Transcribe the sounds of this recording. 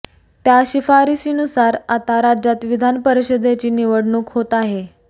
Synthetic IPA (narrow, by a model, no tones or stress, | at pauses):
t̪jaɕifaɾisinusaɾat̪aɾad͡ʑat̪ʋid̪ʱanpəɾiɕəd̪ʱat͡ɕiːniʋəɽɳuːkɦot̪aɦe